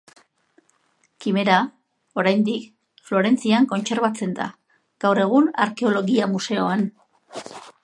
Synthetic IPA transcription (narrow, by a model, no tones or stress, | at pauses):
kime̞ɾa | o̞ɾajnd̪ik | flo̞ɾe̞nt͡siaŋko̞nt͡se̞ɾβat͡se̞nd̪a̰ | ɡ̥awre̞ɣ̞una̰ɾke̞o̞lo̞ɣiamuse̞oan